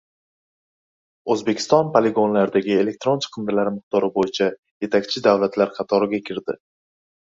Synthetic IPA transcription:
ɵzbe̞kʲʰɪ̥st̪ɒnpale̞ɡo̞nlaɾd̪aɡʲɪe̞le̞k̚ʲt̪ɾo̞nt͡ʃʰɨ̥qʰɨnd̪ɪlaɾmɨq̚d̪ɒɾɪbojɪt͡ʃʰa | je̞t̪ʰakʲt͡ʃʰɪd̪avlat̪ʰlaɾqʰɑt̪ʰɒɾɪɡʲakʲʰɪɾd̪ɪ

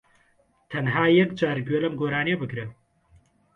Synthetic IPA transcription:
t̪ʰɐnɦaːjɐkd͡ʒaːɾɡɥelɐmɡoːɾaːnebɨkɾe

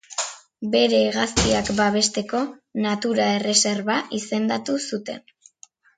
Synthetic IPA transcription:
be̞ɾe̞ːɣaskiakbaβ̞e̞st̪e̞ko̞nat̪uɾae̞re̞se̞ɾβaʔise̞nd̪at̪usut̪e̞n

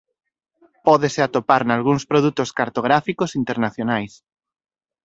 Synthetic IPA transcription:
pɔðeseat̪opaɾnalɣ̞uŋspɾoð̞ut̪oskaɾt̪oɣ̞ɾafikosint̪eɾnaθjonajs

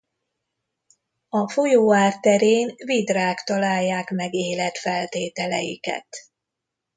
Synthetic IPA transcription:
ɒfo̞joːaːrt̪ɛɾeːnvid̪raːkt̪ɒlaːjːaːkmɛɡeːlɛt̪fɛlt̪eːt̪ɛlɛ̰jḭkɛ̰t̪

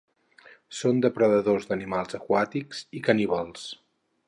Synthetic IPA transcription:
sond̪əpɾəðəðozd̪ənimalˠzəkwat̪ikz̥ikəniβalˠs

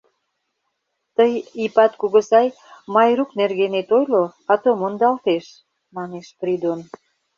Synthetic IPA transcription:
t̪əjipɑt̪kuɣə̆sɑj | mɑjɾuknerɣenet̪ojloɑt̪omond̪ɑlt̪eʃ | mɑneʃprid̪on

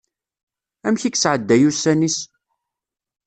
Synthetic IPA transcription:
æmçikːsʕəd̪ːæjusːænis

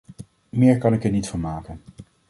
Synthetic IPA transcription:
mɪːɹkɑnɪkɛɹnitfɑnmaːkən

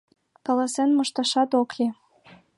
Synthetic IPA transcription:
kɑlɑsenmɤ̆ʃt̪ɑʃɑt̪oke

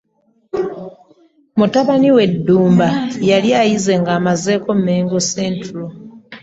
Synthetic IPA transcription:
mutaβaniwe̞dːuːmbajaljajize̞ŋɡaːmaze̞ːkommeːŋɡoseːntulo

